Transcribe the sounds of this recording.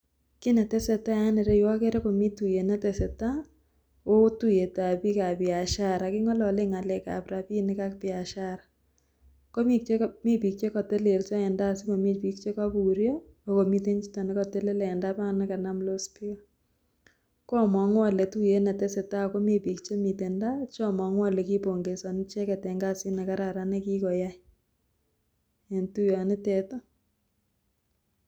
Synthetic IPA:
kɪ˦nɛ˨tɛ˦sɛ˨ta˦ja˦nɪ˨ɾɛ˦jwɔ˦ke˦ɾɛ˦ko˨mi˦tu˨je˨nɛ˦tɛ˨sɛ˨ta˦ | o˦tu˦je˨ta˨pi˦ka˨pia˨ʃa˦ɾa˨kɪ˦ŋɔ˦lɔ˨le˦ŋa˨lɛ˨ka̰˨pɾa˨pi˦nɪ˦ka˦kpɪa˨ʃa˦ɾa | ko˦mi˦k̚t͡ʃe˦mi˦pi˨k̚t͡ʃe˦kɔ˨tɛ˦le˨lt͡ʃɔ˦ɛ˨nda˦sɪ˦kɔ˨mi˦pi˦k̚t͡ʃe˦ka˦bu˨ɾjɔ˦ | o˨ko˨mi˦t̬e˦ɲt͡ʃi˦tɔ˨ne˦kɔ˨tɛ˦le˦lɛ˨ɛ˨nda˦pa˦ŋnɛ˦ka˨na˦mlo˦spi˦ɔ˨ | kɔ˦˨mɔ˨ŋwa˦lɛ˨tu˦je˦nɛ˨tɛ˦se˨ta˦ko˦me˦˨pi˨kt͡ʃe˦mi˨tɛ˨nda˦t͡ʃɔ˦˨mɔ˨ŋwa˦lɛ˨ki˦po˨ŋɡe˨sɔ˨n˦t͡ʃɛ˦kɛ˨tɛ˨ŋɡa˦sɪ˦nɛ˨ka˦ɾa˨ɾa˨ne˦ki˦kɔ˨ja˦ | e˨ntu˦jɔ˨nɪ˦tɛ˨to˦

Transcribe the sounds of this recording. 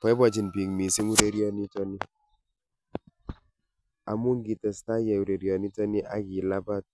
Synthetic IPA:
pɔ˨˦ɛ˦bɔ˨d͡ʒi˨nbi˨ŋmi˨si˦ŋu˦ɾe˦ɾi˦ɔ˨ni˦tɔ˦ni˦ | a˨mu˦ŋ˦ɡi˨tɛ˨sta˦jɛ˨u˨ɾe˨ɾi˨ɔ˨ni˦tɔ˦ni˦ʔa˦ɡi˨la˦ba˦˨t̚

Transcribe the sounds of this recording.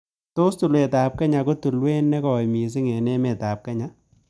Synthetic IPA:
to˦stu˨lwe˨taː˨p̚kɛ˦ɲa˨ko˦tu˨lwe˦nːɛ˦kɔ˨jmi˨s̬ɪ˦ŋɛ˨nɛ˦mɛ˨ta˨p̚kɛ˦ɲa˦

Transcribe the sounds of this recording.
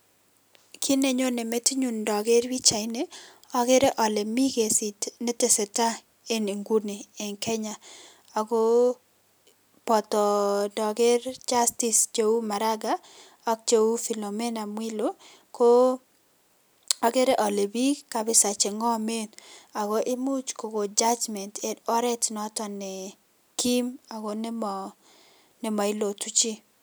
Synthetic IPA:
kʰi˦ne˦ɲo˦ne˨me˦ti˦ɲu˨ndɔ˨ɡe˦ɾwi˦t͡ʃa˨ɪ˦ne˦ | ɔ˦ɡe˦ɾe˦ʔɔ˨le˨mi˦ɡe˨si˨tne˦te˨sɛ˨ta˦ | e˦ni˨ŋɡu˦ni˨e˨ŋkɛ˦ɲa˨ | a˨ɡo˦ | pɔ˨t̪ɔ˨dɔ˨ɡe˦ɾd͡ʒa˦sti˨st͡ʃe˦wu˦ma˨ɾa˦ɡa˦ | ɔ˦k̚t͡ʃe˦wu˦fi˨lo˨mɛ˦na˨mwi˦lo˦ | ko˦ | ɔ˦ɡe˦ɾe˦ʔɔ˨le˨bi˦ka˨bɪ˦sa˨t͡ʃe˨ŋɔ˦me˦na˨ɡo˦ʔɪ˦mu˦t͡ʃko˨ɡo˨d͡ʒa˦d͡ʒmɛ˨ntɛ˨dɔ˦ɾɛ˦tnɔ˦tɔ˨nɛ˨ | ki˦ma˨ɡo˦nɛ˦mɔ˨ | nɛ˨mɔ˨ɪ˦lo˨tu˦t͡ʃi˦

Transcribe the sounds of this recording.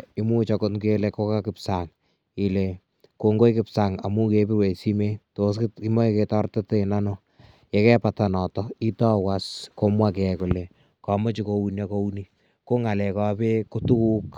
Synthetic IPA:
ɪ˦mu˦t͡ʃɔko˦tɡe˦leko˦ka˦kɪ˨psaŋ | i˨le˨ | ko˨ŋɡo˦jkɪ˦psaŋa̰˨mu˦ke˦pɪ˦we˨si˦me˦toskkɪ˦mo˦eketɔ˦rta˦te˦˨nano | je˨kɛ˦pata˨nɔ˨tɔi˦tɔ˦wasko˦mwa˦k̬ɛkʊle˨ | kɔ˨mo˦t͡ʃiko˦u˦na˦ko˦u˦ni˦ | ko˦ŋa˨lɛ˨kɔ˨pe˦ko˦tu˦ku˦k

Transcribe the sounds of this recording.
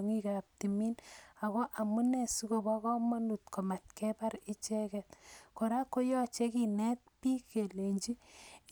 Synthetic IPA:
ŋi˦ka˨p̚ti˨mi˦na˨kɔ˦ʔa˨mu˦nɛ˨si˦ko˨bɔkɔ˦mɔ˦nu˨tko˨ma˨t̚kɛpa˦ɾi˦t͡ʃɛ˦kɛtko˨ɾa˦kːo˦jɔ˦t͡ʃe˦ki˨nɛ˦t̚pi˦ke˨le˨ɲd͡ʒi˦

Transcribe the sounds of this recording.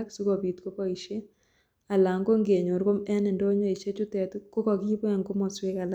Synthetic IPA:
ksu˦kɔ˨bi˨tko˦kɔ˦i˨ʃe˦ | a˨la˨ŋɡo˦ŋɡe˨ɲo˨ɾko˦mɛ˦nɛ˨ndo˦ɲɔ˦˨i˨ʃe˦t͡ʃʊ˦tɛ˨tko˦kɔ˨ki˦po˦ɛ˨ŋɡo˦mɔ˨swe˦ka˨l

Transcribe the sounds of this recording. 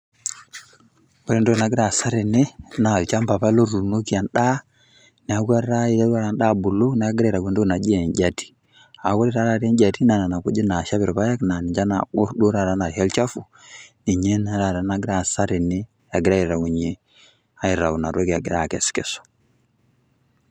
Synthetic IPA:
bɔ˦ɾi˦ndo˦na˨ɡi˦ɾa˨sa˦ɾi˨ne˦na˨lt͡ʃa˦mpa˨pa˦lo˦ɾu˨no˦ki˦a˨nɗa˦ | nɛ˨a˨˦ɡu˦a˦ɾa˦i˨ɾa˦ɾu˦a˦ɾa˨nɗa˦˨bu˨lo˦n˨a˦ɡi˦ɾa˦˨ɾa˨ɡʷe˦˨ndo˦na˨d͡ʒi˦ɛ˨ɲɟa˦ti̥˨ | a˨˦ko˦ɾi˦ɾa˦ɾa˨ɾɛ˦ɲɟa˨ti˦na˦˨na˨na˨ku˦d͡ʒi˦na˨ʃa˦βi˨ɾpa˦ja˦kna˨ni˨d͡ʒa˦na̰˨o˦ɾdo˦ɾa˨ɾa˦na˨ha˦lt͡ʃa˦fu˨ | ni˨ɲe˦na˦ɾa˨ɾa˨na˨˦ɡɪ˦ɾa˦˨sa˦ɾi˨ne˦ | a˨ɡɪ˦ɾa˦i˨ɾa˨wu˨ɲe˦ | a˦i˨ɾa̰˨wu˨na˨ɾo˦ki˨a˨ɡi˦ɾa˨kɛ˨skɛ˨sɔ̥˨

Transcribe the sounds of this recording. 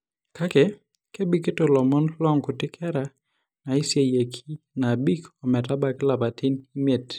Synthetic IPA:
kʰa˦kɛ˨ | ke˦bi˦ke˦to˨lɔ˨mɔ˦nlɔ˦ŋku˨tɪ˦kʰɛ˦ɾa˨ | na˨i˦sje˨je˨kʰi˦ | na˨bi˦kɔ˨mɛ˨ta˦ba˨kɪ˦la˨ba˨ti˦ni˦me˨t

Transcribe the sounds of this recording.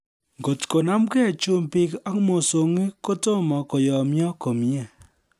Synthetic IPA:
ŋɡo˨tko˨na˦mkɛ˦˨t͡ʃu˦mpɪ˦ka˦kmo˨so˨ŋi˦ko˦to˦mɔ˨ko˨jɔ˨mjɔ˦ko˨m˦ɛ˨

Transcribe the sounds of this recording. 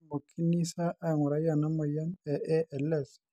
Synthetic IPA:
mo˨kʰi˦ni˦sa˦ʔa˨ŋu˨ɾa˦ja˨na˦ma˨ja˦nɛ˨ʔɛ˦ʔɛ˨lɛ˦˨s

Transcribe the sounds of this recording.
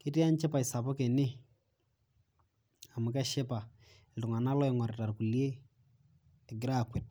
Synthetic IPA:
ke˦ti˦a˦nt͡ʃɛ˦pa˨ɪ˨sa˨pɔ˦ke˨nɪ˦ | a˨mʊ˨kɛ˦ʃɛ˦pa˨ | ɪ˨ltʊ˨ŋa˨na˦lɔ˦ɪ˦ŋɔ˨ɾe˨ta˨rku˨lje˦ | ɛ˨ɡɪ˦ɾa˦kwe˨t̚

